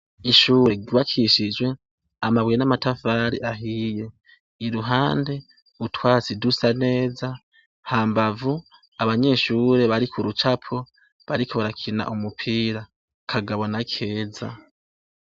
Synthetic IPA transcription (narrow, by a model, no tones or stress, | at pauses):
iʃuːɾe̞ɡuβakʰiʃid͡ʒwe̞ | amaβwenamatafaːɾiʔaɦije̞ | iɾuɦaːnde̞ | utʰwaːt͡sidusane̞ːza | haːmbavu | aβaɲe̞ːʃuːɾe̞βaɾikuɾut͡ʃapʰo | βaɾikʰoβaɾakʰina̰ʔumupʰiːɾa | kʰaɡaβonakʰe̞ːza